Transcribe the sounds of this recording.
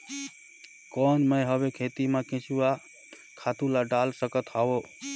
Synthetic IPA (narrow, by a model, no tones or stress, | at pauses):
kɔnməjɦəβekʰet̪imekẽt͡ʃuwa | kʰat̪ulaɖalsəkət̪ɦao